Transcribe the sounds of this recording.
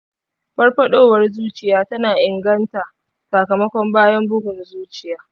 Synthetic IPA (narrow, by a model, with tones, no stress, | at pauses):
bɐ˦rɸɐ˦ɗoː˦wɐ˨rzuː˦t͡ʃɪ˨jaː˦tɐ˦naː˨ʔɪ˨ŋɡɐ˦ntaː˨ | saː˨kɐ˨mɐ˦kʷɔ˦mbaː˦jɐ˦mbʊ˦ɡʷʊ˨nzuː˦t͡ʃɪ˨jaː˦